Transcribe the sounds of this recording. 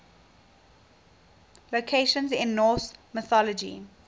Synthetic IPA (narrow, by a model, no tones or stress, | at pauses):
lokʰeɪʃə̃nzɪ̃nːɔːsmɪθɔləd͡ʒḭ